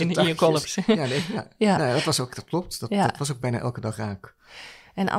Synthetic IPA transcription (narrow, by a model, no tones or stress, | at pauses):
ɪnikɔlˠəpsjadɛjanadɔtʋɑsokd̥ɔt̚klɔp̚tdɔttʋɑsok̚bɛjna̰ʔɛ̰lˠkədɑχraːk | ɛna̰